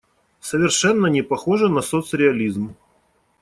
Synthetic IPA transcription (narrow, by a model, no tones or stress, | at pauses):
səvʲɪrʂɛnːənʲɪpɐxoʐɨnɐsot̪sɾʲɪɐlʲizm